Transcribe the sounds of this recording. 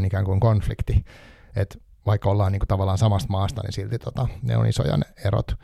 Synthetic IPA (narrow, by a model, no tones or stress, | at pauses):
nikæːŋkuiŋkonflikt̪i | et̪ | ʋɑikːolːɑːniːŋku̥t̪ɑʋɑlːˑɑːnsɑmɑst̪mɑːst̪ɑ̰nḭsilt̪it̪ot̪ɑnḛo̰nḭso̰jɑ̰neeɾo̰t̪